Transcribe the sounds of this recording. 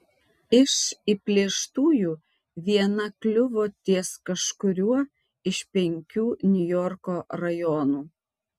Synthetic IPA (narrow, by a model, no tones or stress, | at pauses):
ɪʃipʲlʲiɛʃt̪uːjuː | ʋʲiɛnɐklʲʊʋot̪ʲiɛskɐʃkʊɾʲuɔ | ɪʃpʲɛŋʲkʲuːnʲʊjɔɾkoːɾɐjɔːnuː